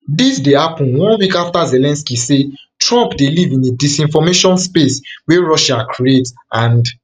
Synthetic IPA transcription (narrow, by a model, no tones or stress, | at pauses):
disdehapɔ̃nwɔ̃nwikaftazelɛ̃nskisetɹɔ̃mpdelivĩnedisĩnfɔmeʃɔ̃nspesweɹɔʃakʰɹietãnd